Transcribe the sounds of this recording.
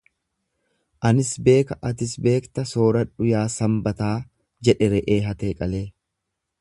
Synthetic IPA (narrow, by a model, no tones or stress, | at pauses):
ʔɐnɪsbe̞ːkɐʔɐt̪ɪsbe̞ːkt̪ɐso̞ːɾɐᶑʊjaːsɐmbɐt̪aː | d͡ʒɛᶑɛɾɛʔeːɦɐt̪eːkʼɐleː